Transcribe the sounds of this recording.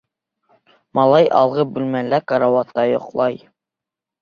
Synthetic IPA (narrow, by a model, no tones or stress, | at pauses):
mɑlˠɑjʔɑ̰lˠʁɤbʉlmælækɑɾɑwɑt̪ːɑjŏ̰qlˠɑj